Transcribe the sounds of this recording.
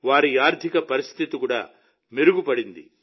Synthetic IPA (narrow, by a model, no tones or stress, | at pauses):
ʋaːɾiaːɾd̪ʱikɐpɐɾist̪ʰit̪ikuːɽa̰ː | miɾuɡupɐɽind̪ḭ